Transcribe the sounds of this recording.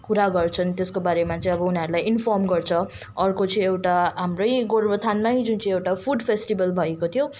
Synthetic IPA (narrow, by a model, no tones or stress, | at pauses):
kuɾaɡʌrt͡sʰʌnt̪eskobaɾemat͡sʌ̃ĩʌbʌuniɦʌɾulajinpʰɔrmɡʌrt͡sʰʌ | ʌrkot͡sʌĩewʈaɦamrʌjɡorbʌt̪ʰanmaɦid͡zunt͡sʌĩewʈapʰuɖpʰesʈibʌlbʱʌekot̪ʰjo